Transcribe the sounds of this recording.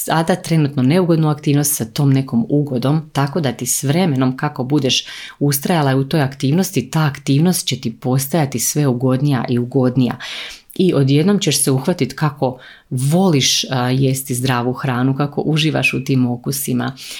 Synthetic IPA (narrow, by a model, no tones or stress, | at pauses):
sad̪at̪ɾe̞nut̪none̞uɡo̞d̪nuakt̪iːʋno̞st̪sat̪o̞ːmne̞ko̞muɡo̞d̪o̞mt̪ako̞d̪at̪isʋɾe̞me̞no̞mkako̞bud̪e̞ʃust̪ɾajalˠaut̪o̞jakt̪iːʋno̞st̪it̪aːkt̪iːʋno̞st̪̚t͡ɕe̞t̪ipo̞st̪ajat̪isʋe̞uɡo̞d̪nija̰ʔiuɡo̞d̪nija̰ | iʔo̞d̪je̞d̪no̞mt͡ɕe̞ʃseuxʋat̪it̪kako̞ | ʋo̞liʃjest̪izd̪ɾaːʋuxɾaːnukako̞̰ʔuʒiːʋa̰ʃut̪iːmo̞kusima̰